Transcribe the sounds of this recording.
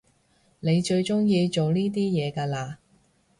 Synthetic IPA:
ne˨˧jt͡ʃɵ˧ɥt͡ʃʊ˥ŋjiː˧t͡ʃo˨wniː˥t̪iː˥jɛː˨˧kaː˧laː˧

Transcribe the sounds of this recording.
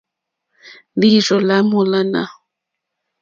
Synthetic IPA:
di˦ʐɔ˨la˦mu˨la˦na̰˨

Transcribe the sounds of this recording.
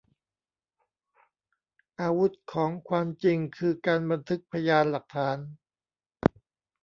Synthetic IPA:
ʔaː˧wu˦˥t̪̚kʰɔː˩˦ŋkʰwaː˧mt͡ɕi˧ŋkʰɯː˧kaː˧nba˧nt̪ʰɯ˦˥k̚pʰa˧jaː˧nla˨˩k̚t̪ʰaː˩˦n

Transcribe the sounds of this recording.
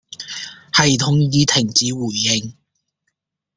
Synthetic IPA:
hɐ˨jt̪ʰʊ˨ŋjiː˧t̪ʰɪ˨˩ŋt͡siː˨˥wuː˨˩jːɪ˨ŋ

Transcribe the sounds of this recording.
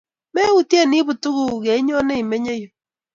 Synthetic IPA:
me˦u˨tje˦ni˦βu˨tu˦ɣu˦˨ɣe˨i˦ɲɔ˦ne˦i˨me˦ɲe˦jo˨

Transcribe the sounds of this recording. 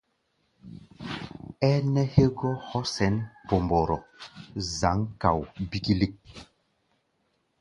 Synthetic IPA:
ɛ˦nɛ˦he˦ɡɔ˦hɔ˦sɛ˨˦npo˨mbɔ˨ɾɔ̰˨ | za˨˦ŋka˨wbi˦ki˦li˦k̚

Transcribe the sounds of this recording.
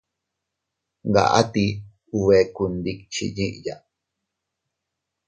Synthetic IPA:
ɡa̰˨ʔa̰˦t̪i | uwe˨kund̪ik̚t͡ʃḭ˨ɲi˦ʔja̰˨

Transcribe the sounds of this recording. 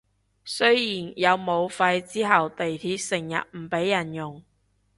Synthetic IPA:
sɵ˥jiː˨˩njɐ˨˧wmo˨˧wfɐ˧jt͡siː˥ɦɐ˨˩wt̪e˨jt̪ʰiː˧p̚sɪ˨˩ŋjɐ̰˨t̚m̩˨˩pe˨˥jːɐ˨˩njʊ˨˩ŋ

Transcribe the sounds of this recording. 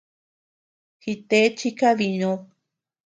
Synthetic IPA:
hi˧t̪e˦t͡ʃi˦ka˦βi˨ɲõ˧˦β

